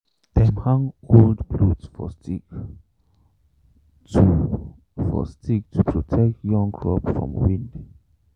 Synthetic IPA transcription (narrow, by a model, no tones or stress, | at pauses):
d̥ɛ̃mhãŋoldblutsfɔstʰik | tu | fɔ̰stʰik̚tʰupʰɹotʰɛk̚tjɔ̃ŋkʰɹɔ̰pfɹɔ̰̃mwĩnd